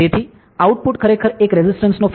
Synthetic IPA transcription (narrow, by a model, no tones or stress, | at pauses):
et̪ʰi | auʈ̚puʈkʰəɾekʰəɾekɾɛzɪsʈənsnof